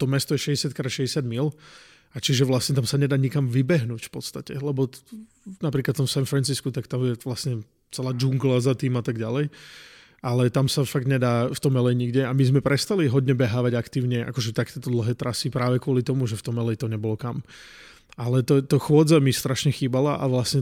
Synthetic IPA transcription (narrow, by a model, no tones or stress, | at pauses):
t̪ɔmɛst̪ɔjɛʃɛɟɛsɪjat̪kɾaːʃɛɟɛsjad̪mil | at͡ʃiʒɛʋlasɲɛt̪amsaɲɛd̪aːɲikamʋibɛɦnuːcfpɔt̪st̪acɛlɛbɔ | napɾiklat̪ːt̪ɔmsɛnfɾɛnt͡siskut̪akt̪amjɛʋlasɲɛ | t͡sɛlaːd͡ʒuŋɡlazat̪iːmat̪aɡɟalɛj | alɛt̪amsafaɡ̚d̪ɲɛd̪aːft̪ɔmɛlɛjɲiɡɟɛamizmɛpɾɛst̪aliɦɔdɲɛbɛɦaːʋaɟakt̪iːʊɲɛʔa̰kɔʒɛt̪akɛt̪ɔd̪l̩ɦɛːt̪ɾasipɾaːʋɛkʊɔlit̪ɔmuʒɛft̪ɔmɛlɛjt̪ɔɲɛbɔlɔkam | alɛt̪ɔt̪ɔxʊɔd͡zamist̪ɾaʃɲɛxiːbalaʔa̰ʋlasɲɛ